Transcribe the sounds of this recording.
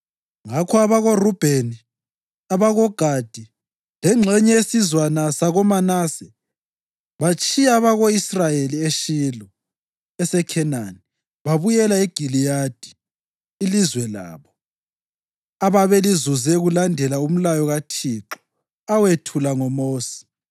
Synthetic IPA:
ŋakʰɔaβaɣorub̥ʱeni | aβaɣɔɡ̥ʱad̥ʱi | lɛŋ͡ǁʱɛɲɛesizwanasaɣɔmanasɛ | βat͡ʃʼijaːβaɣoisrajelieʃilɔ | ɛsɛkʰɛnani | βaβujɛlaeɡ̥ʱilijad̥ʱi | ilizwɛla̰ːβɔ | aβaβelizuzɛɣulandʱɛlaum̩lajɔɣatʰiːǁɔ̥ | awetʰulaŋɔmoːsi̥

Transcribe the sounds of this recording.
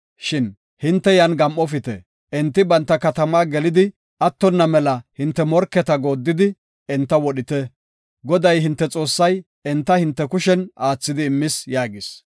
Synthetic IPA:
ʃɪn | hɪnt̪ːɛjɐnɡɐmʔɔfɪt̪ɛ̰ | ʔɪnt̪ːɪbɐnt̪ːɐkɐt̪ɐmaːɡɛlɪd̪ɪ | ʔɐt̪ːɔnːɐmɛlɐhɪnt̪ːɛmɔɾkːɛt̪ɐɡo̞ːd̪ːɪd̪ɪ | ɛnt̪ːɐwɔɗɪt̪ɛ | ɡɔd̪ɐjɦɪnt̪ːɛt͡sʼo̞ːsːɐj | ɛnt̪ːɐhɪnt̪ːɛkʊʃɛnaːt͡sːɪd̪ɪːmːɪsjaːɡɪs

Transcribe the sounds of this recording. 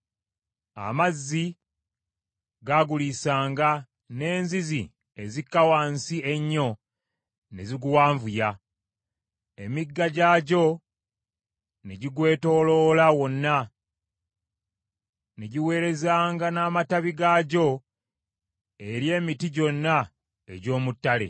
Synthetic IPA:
a̰mazːi | ɡaɡulisaːŋɡa | ne̞ːnzizḭ | e̞zikːawaːnsie̞ɲːo̞ | neziɡuwaːɱvuja | emiɡːaɟaɟo̞ | neɟiɡwe̞ːto̞lo̞lawo̞nːa | neɟiwe̞ːɾe̞zaːŋɡanaːmataβiɡaːɟo̞ | e̞ɾje̞ːmitiɟo̞nːa | eɟo̞ːmutːale̞̰

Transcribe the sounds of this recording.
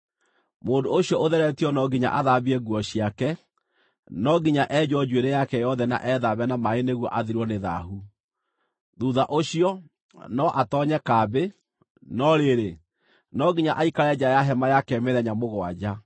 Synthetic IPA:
mondooɕjɔʔoðɛɾɛtiɔnɔɡiɲa̰ʔaðaβiɛɣwɔɕiakɛ | nɔɡiɲaʔɛd͡ʑɔd͡ʑweɾejakɛjɔðɛna̰ʔɛðaβɛnamaeneɣwɔʔaðiɾwɔneðaɦu | ðuðaʔoɕiɔ | nɔʔatɔɲɛkabe | nɔɾeɾe | nɔɡiɲaʔaikaɾɛd͡ʑajaɦɛmajakɛmeðɛɲamoɣwad͡ʑa

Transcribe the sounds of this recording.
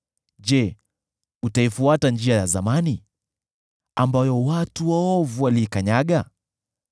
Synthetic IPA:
ʄɛ | utaifuatand͡ʒiajazamani | ambajɔwatuwaɔvuwaliːkaɲaɠa

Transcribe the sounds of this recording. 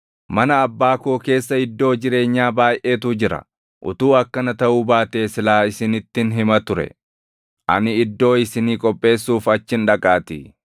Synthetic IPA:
mɐnɐːbːaːkoːke̞ːsːɐɪd̪ːo̞ːd͡ʒɪɾe̞ːɲːaːbaːjʔe̞ːt̪ʊd͡ʒɪɾɐ̰ | ʔʊ̰t̪uːɐkːɐnɐt̪ɐʔuːbaːt̪e̞ːsɪlaːɪsɪnɪt̪ːɪnɦɪmɐt̪ʊɾɛ̰ | ʔɐ̰nɪɪd̪ːo̞ːɪsɪniːkʼɔpʼːe̞ːsːuːfɐt͡ʃːɪnᶑɐkʼaːt̪ɪ

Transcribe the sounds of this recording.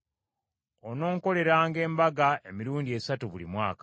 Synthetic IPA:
ono̞ːŋko̞le̞ɾaːŋɡe̞ːmbaɡae̞miɾuːndie̞satuβulimwa̰ːka

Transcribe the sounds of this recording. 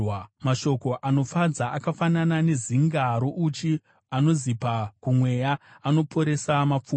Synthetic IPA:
maʃo̞ko̞ʔano̞fad͡zaʔakafananane̞ziŋɡaɾoʔut͡ʃi | ano̞zipakumwe̞jaːno̞pʰo̞ɾe̞samap͡fu

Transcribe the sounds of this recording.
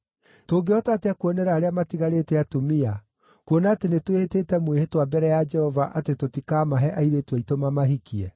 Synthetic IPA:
toːɡeɔtateakwɔnɛɾaːɾeamatiɣaɾeːtɛatomia | kwonaːtenetwehetetɛmwehetwabɛɾɛjad͡ʒɛhɔvaʔatetotikamaɦɛʔaiɾetwɛitomamaɦikiɛ

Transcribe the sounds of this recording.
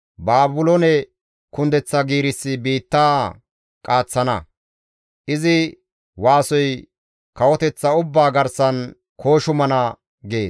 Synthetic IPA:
baːbʊlɔnɛ | kʊnd̪ɛt͡sːɐɡiːɾɪsːɪbiːt̪ːaː | kʼaːt͡sːɐnɐ̰ | ʔɪzɪ | waːsɔj | kɐwɔt̪ɛt͡sːɐʊbːaːɡɐɾsɐn | kʰo̞ːʃʊmɐnɐ | ɡeːs

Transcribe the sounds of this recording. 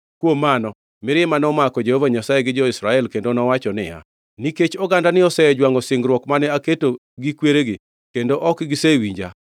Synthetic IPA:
kwomːanɔ | mɪɾɛmanɔmakɔd͡ʒehovaɲasajeɡɪd͡ʒɔisɾaɛlkendonɔwat͡ʃɔnɪ̰ja̰ | niket͡ʃɔɡandanɪɔsɛd͡ʒwaŋɔsɪŋɡɾwɔkmanɛaketo | ɡikweɾeɡɪ | kendoʔɔkɡɪsewiɲd͡ʒa̰

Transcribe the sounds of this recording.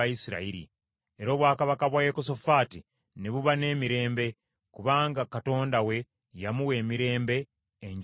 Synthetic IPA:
ajisiɾa̰iɾḭ | e̞ɾo̞ːβwaːkaβakaβwajekosofaːti | neβuβane̞ːmiɾe̞ːmbe̞ | kuβaːŋɡakato̞ːndawe̞ | jamuwe̞ːmiɾe̞ːmbe̞ː | ɲ

